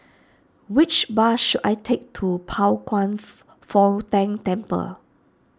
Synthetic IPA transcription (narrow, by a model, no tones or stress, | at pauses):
wɪt͡ʃbaʃuda̰jtʰek̚tʰupʰaʊkwãn | fɔtɛ̃ŋtɛ̃mpə̰